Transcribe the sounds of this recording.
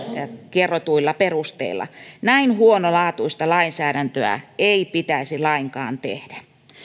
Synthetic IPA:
kerot̪uilːɑperust̪ḛilːɑ̰næinhuonolɑːt̪uist̪ɑlɑinsæːɾænt̪øæ̰eipit̪æisilɑiŋkɑ̰ːnt̪ḛhd̥æ̥

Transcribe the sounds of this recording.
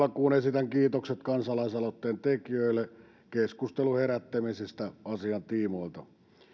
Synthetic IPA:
lɑkuːnesit̪æŋkiːt̪okset̪kɑnsɑlɑisɑlot̪ːeːnt̪ekiøilːˑe | keskust̪eluheɾæt̪ːæmisist̪æɑsiɑnt̪iːmoilt̪ɑ

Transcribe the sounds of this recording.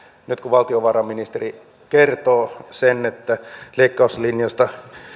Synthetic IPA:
nyt̪kuʋɑlt̪ioʋɑrɑmːinist̪eri | kert̪oːsenet̪ːæleikːɑuslinjɑst̪ɑ

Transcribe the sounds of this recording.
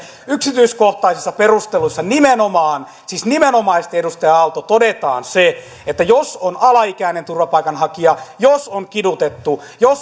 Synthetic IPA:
yksit̪yiskoht̪ɑisisːɑperust̪elusːɑnimenomɑːn | siːsnimenomɑist̪edust̪ɑjɑɑlt̪ot̪odet̪ɑ̰ːnse | et̪ːæjosonɑlɑikæinent̪urʋɑpɑikɑnhɑkiɑjosoŋkidut̪et̪ːu | jos

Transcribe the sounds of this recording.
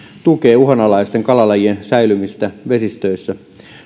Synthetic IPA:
t̪ukeːuɦɑnɑlɑist̪eŋkɑlɑlɑjiensæjlymist̪æʋesist̪øisːæ

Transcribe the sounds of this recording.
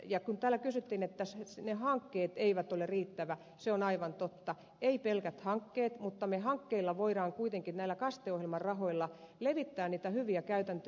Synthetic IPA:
jɑkunt̪æːlːækysyt̪ːinet̪ːæssnehɑŋkːeːt̪eiʋæt̪oleriːt̪ːæʋæ | seonɑiʋɑnt̪ot̪ːɑ | eipelkæt̪hɑŋkːeːt̪mut̪ːɑmehɑŋkːeilːɑʋoiɾɑːŋkuit̪eŋkinæilːˑækɑst̪eohjelmɑrrɑhoilːɑ | leʋit̪ːæːniːt̪æhyʋiækæyt̪ænt̪ø

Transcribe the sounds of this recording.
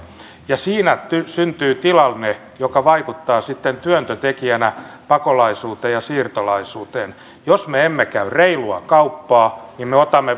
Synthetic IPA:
jɑsiːnæt̪ysynt̪yːt̪ilɑlne | jokɑʋɑikut̪ːɑːsit̪ːent̪yønt̪øt̪ekiænæpɑkolɑisuːt̪eːjjɑsiːrt̪olɑisuːt̪eːn | josmeemːekæyreiluɑ̰kɑupːɑːnimmeot̪ɑmːe

